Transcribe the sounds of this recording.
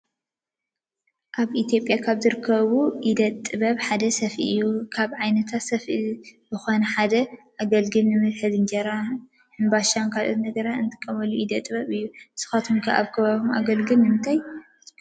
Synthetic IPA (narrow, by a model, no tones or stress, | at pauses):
ʔaβʔit̪ʰjo̞pʼjakʰaβzɨɾɨkʰːɐβuʔid̪ɐt̪ʼːɨβɐβħad̪ɐsɐfḭʔɨjːukʰaβʕajnɐt̪ʰat̪sɐfibɨxonɐħad̪ɐʔaɡɐlɡɨlnɨmɨðħɨzɨnd͡ʒɐɾa | hɨnbaʃankʰalʔo̰t̪nɐɡɐɾaɨnt̪ʰɨ̥kʼːɐmɐluʔid̪ɐt̪ʼɨβɐβɨjːusɨ̥xat̪ʰomkʰɐʔa̰βkʰɐβaβuma̰ɡɐlɡɨlnɨmɨnt̪ʰaj